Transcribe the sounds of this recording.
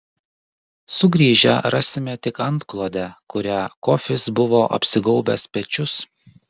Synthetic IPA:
sʊɡɾʲiːʒʲɛ̰ɾɑsʲɪmʲɛt̪ʲɪkɐnt̪klˠoːd̪ʲɛkʊɾʲækoːfʲɪsbʊʋoːʔɐ̰pʲsʲɪɡɔʊbʲɛspʲɛt͡ʃʲʊs

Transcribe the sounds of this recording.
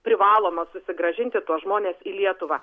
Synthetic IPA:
pʲɾʲɪʋɑːlˠoːmɐsʊsʲɪɡɾɐʒʲɪnʲt̪ʲɪt̪uɔsʒmoːnʲeːsiːlʲiɛt̪ʊʋɑː

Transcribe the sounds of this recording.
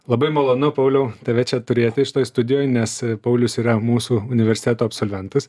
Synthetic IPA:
lˠɐbɐɪmolˠoːnʊpɐʊlʲɛʊt̪ɐʋʲɛt͡ʃʲɛt̪ʊɾʲeːt̪ʲɪɪʃʲɪt̪oːjst̪ʊd̪ʲɪjoːjnʲɛspɐʊlʲʊsiːɾɐmuːsuːʊnʲɪʋʲɛɾʲsʲɪt̪ʲæːt̪oːɐpʲsoːlʲʋʲɛnt̪ɐs

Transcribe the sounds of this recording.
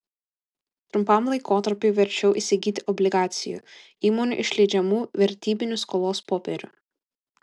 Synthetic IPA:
t̪ɾʊmpɐmlˠɐɪkoːt̪ɐɾʲpʲʊɪʋʲɛɾʲt͡ʃʲɛʊʔiːsʲɪɡʲiːt̪ʲɪʔɔbʲlʲɪɡɑːt̪sʲɪjṵ | iːmoːnʲʊ̰ʔɪʃʲlʲɛɪd͡ʒʲɛmuːʋʲɛɾʲt̪ʲiːbʲɪnʲʊskɔːlˠoːspoːpʲɛɾʲʊ

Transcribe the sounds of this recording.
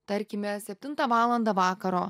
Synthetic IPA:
t̪ɐɾʲkʲɪmʲɛsʲɛpʲt̪ʲɪnt̪ɐʋɑːlˠɐnd̪ɐʋɑːkɐɾoː

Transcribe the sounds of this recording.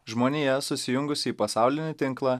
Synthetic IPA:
ʒmoːnʲiːjɛsʊsʲɪjʊŋɡʊsʲɪiːpɐsɑˑʊlʲɪnʲɪt̪ʲɪŋklˠɑː

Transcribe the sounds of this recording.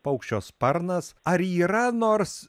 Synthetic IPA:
pɐʊkʃʲt͡ʃʲoːspɐɾnɐsɐɾiːɾɐnoːɾs

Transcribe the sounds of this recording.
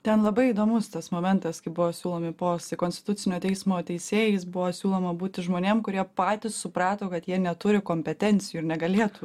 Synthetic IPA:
t̪ʲɛnlˠɐbɐɪid̪oːmʊst̪ɐsmoːmʲɛnt̪ɐskɐɪbʊʋoːsʲuːlˠoːmʲɪpoːsʲt̪ʲɪkoːnʲsʲt̪ʲɪt̪ʊtt͡s̪ʲɪnʲoːt̪ʲɛɪsmoːt̪ʲɛɪsʲeːjɛɪsbʊʋoːsʲuːlˠoːmɐbuːt̪ʲɪʒmoːnʲeːmkʊɾʲiɛpɑːt̪ʲɪssʊpɾɑːt̪oːkɐt̪jiɛnʲɛt̪ʊɾʲɪkoːmʲpʲɛt̪ʲɛnʲtt͡ssʲɪjuːɪɾnʲɛɡɐlʲeːt̪uː

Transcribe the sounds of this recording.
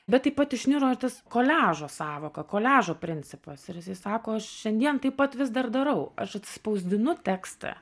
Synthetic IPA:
bʲɛt̪̚ɐɪpɐt̪ɪʃʲnʲɪɾoːɪrt̪ɐskoːlʲæːʒoːsɑːʋoːkɐkoːlʲæːʒoːpʲɾʲɪnʲt͡sʲɪpɐsɪɾjɪsɐɪsɑːkoːɐʃʃʲɛnʲd̪ʲiɛnt̪ɐɪpɐt̪ʋʲɪsd̪ɐrd̪ɐɾɐʊɐʃɐt̪ʲsʲɪ̥spɐʊzʲd̪ʲɪnʊt̪ʲæːkst̪ɐ̰

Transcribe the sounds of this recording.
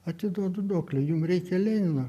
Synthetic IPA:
ɐt̪ʲɪd̪oɔd̪ʊd̪oːklʲɛjʊmrʲɛɪkʲɛlʲɛɪnɐ

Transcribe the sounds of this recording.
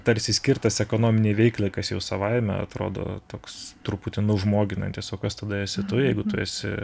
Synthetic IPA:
t̪ɐɾʲsʲɪsʲkʲɪrt̪ɐsɛkoːnoːmʲɪnʲeːʋʲɛɪklʲˠɐɪkɐsjɛʊsɐʋɐɪmʲɛ̰ɐ̰t̪ɾo̰ːd̪o̰ːt̪oːkst̪ʊɾʊpuːt̪ʲɪnʊʊʒmoːɡʲɪnɐ̰nʲt̪ʲɪsoːkɐst̪ɐd̪ɐɛsʲɪt̪ʊjɛɪɡʊt̪ʊɛsʲɪ̰

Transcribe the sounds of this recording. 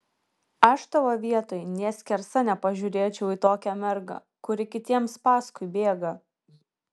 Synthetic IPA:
ɐʃt̪ɐʋoːʋʲiɛt̪oːjnʲeɛsʲkʲɛɾsɐnʲɛpɐʒʲʊːɾʲeːt͡ʃʲɛʊiːt̪oːkʲæmʲɛɾɡɐ̰ | kʊɾʲɪkʲɪt̪ʲiɛmspɑːskʊɪbʲeːɡɐ

